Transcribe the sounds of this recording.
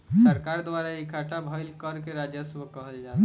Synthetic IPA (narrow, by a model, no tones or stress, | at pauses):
səɾkaɾd̪waɾaikʰaʈabʱəjlkəɾkeɾad͡ʒjəswəkəɦəld͡ʒa